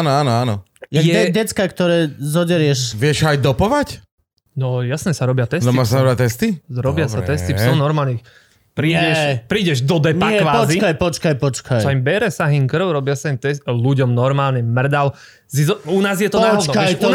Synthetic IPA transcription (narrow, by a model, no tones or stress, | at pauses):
aːnɔaːnɔaːnɔ̰ | jaɛɛdɛt͡skakt̪ɔɾɛːzɔɟɛɾɪjɛʃʋɪɛʃajd̪ɔpɔʋac | nɔjasnɛsaɾɔbɪat̪ɛsnɔimasaɾɔbat̪ɛst̪iɾɔbɪasat̪ɛst̪isɔnɔɾmaːlɲix | pɾiːɛʃpɾiːɟɛʒd̪ɔd̪ɛɲpakɛʋaːɔzikajpɔt͡ʃkajpɔt͡ʃkajsaimbɛɾɛsaɦiŋkr̩ʊɾɔbɪasaimt̪ɛsluɟɔmnɔɾmaːlɲɛmr̩d̪al | sizɔunaːzjɛt̪ɔaːɦɔd̪nɔajt̪